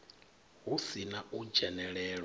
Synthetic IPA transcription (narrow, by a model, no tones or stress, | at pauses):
ɦusinaud͡ʒɛnɛɺɛːɺ